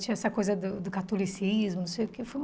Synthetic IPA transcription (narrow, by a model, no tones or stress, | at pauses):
t͡ʃĩɐɛsɐkojzɐd̪ʊd̪ʊkat̪olisizmʊnũsejʊkefoj